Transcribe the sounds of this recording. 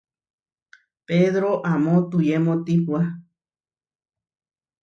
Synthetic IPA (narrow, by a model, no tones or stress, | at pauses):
peðɾoʔamõt̪ujemõt̪ipwa